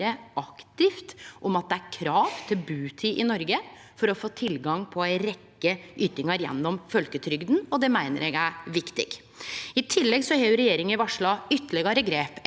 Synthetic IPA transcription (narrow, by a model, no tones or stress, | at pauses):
əɑkt̪ɪft̪ʔɔmɑt̪̚d̪ɛæɾkʰɾɑːʋt̪ʰɪlbʉːt̪ʰɪʔɪnɔɾɡəfɔɾɔfoːt̪ʰɪlɡɑŋpʰɔæɪɾɛkːəʔyːt̪ɪŋɑɾjɛ̰nːɔmfœlkət̪ʰɾʏɡd̪nɔd̪ɛmæɪnə̰ɾɛɡæʋɪkt̪ɪ̰ɡ̥ | ɪt̪ʰɪlːɛɡsɔheːjʉɾɛjeːɾɪŋənɪʋɑʂɭɑʏt̪ːəɭɪɡɑɾəɡɾeːp